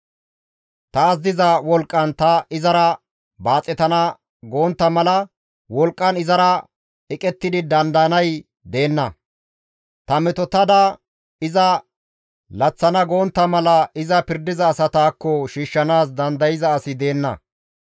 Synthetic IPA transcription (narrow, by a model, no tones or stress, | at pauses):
t̪ɐːzd̪ɪzɐwɔlkʼːɐnt̪ɐɪzɐɾɐ | baːt͡sʼːɛt̪ɐnɐ | ɡo̞ːnt̪ːɐmɐlɐ | wɔlkʼːɐnɪzɐɾɐ | ɪkʼɛt̪ːɪd̪ɪd̪ɐnd̪ɐɐnɐj | d̪e̞ːnːɐ | t̪ɐmɛt̪ɔt̪ɐd̪ɐ | ɪzɐ | lɐt͡sːɐnɐɡoːnt̪ːɐmɐlɐɪzɐpɪɾd̪ɪzɐːsɐt̪aːkːɔʃiːʃːɐnaːs̬d̪ɐnd̪ɐjɪzɐːsɪd̪e̞ːnːɐ̰